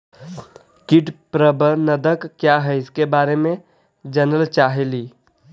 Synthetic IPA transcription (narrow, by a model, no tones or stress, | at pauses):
kiʈpɾəbənəd̪əkkːjaɦɛɪskebaɾemẽ | d͡ʒənəlt͡ʃaɦɛli